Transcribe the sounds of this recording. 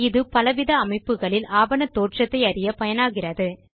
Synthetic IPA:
ɪðɯpɐlɐʋɪðɐːmɐɪpːɯɣɐɭɪlaːʋɐnɐt̪oːʈrɐt̪ːɐɪɐɾɪjɐpɐjɐnaːɣɪrɐðɯ

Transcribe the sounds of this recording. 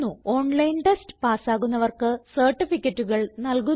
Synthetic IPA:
uo̞ːɳlɐjnʈestpaːsaːɣunːɐʋɐrkɨsɐrʈːifikʲːɐʈːuɣɐɭnɐlku

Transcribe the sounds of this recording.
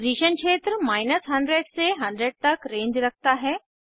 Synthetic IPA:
ɾiːʃənʃʰeːt̪ɾmaːɪnəsɦɐ̃ɳɖɾeːɖseɦɐ̃ɳɖɾeɖ̚t̪ɐkɾẽːɲd͡ʑɾɐkʰt̪aɦɛː

